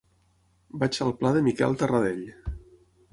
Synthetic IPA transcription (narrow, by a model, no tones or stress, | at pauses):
bat͡ʃalˠplaðəmikɛ̰lˠt̪ərəðeʎ